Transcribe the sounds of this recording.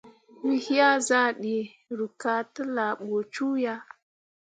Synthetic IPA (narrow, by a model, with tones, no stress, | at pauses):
wi˦hi˦ja˦za˦ɗi˨ | ɾu˨ka˦tə˦la˨ɓo˨t͡ʃu˦ja˦